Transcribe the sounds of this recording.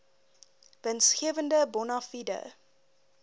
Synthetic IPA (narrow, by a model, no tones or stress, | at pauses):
vənsχiəvəndəbɔnɑfidə̰